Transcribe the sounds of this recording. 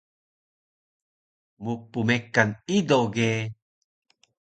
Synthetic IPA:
mupumekanidoɡe

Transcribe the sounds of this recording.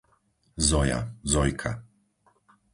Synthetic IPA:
zɔja̰zɔjkʰa̰

